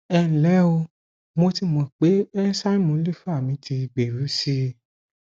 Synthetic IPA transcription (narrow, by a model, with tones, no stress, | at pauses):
ɛ˧˨n̩˨lɛ˨˦o˧ | mo˧ti˧mɔ̃˨k͡pe˨˦ɛ˦sa˦i˦mũ˧˦li˦fa˦˨mĩ˨˧˦tʰi˧ɡ͡be˨ɾu˨˦si˧